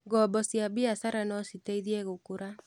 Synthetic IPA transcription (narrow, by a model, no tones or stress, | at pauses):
ɡɔbɔsjabiasaɾanɔsiteiðiɛɣokoɾa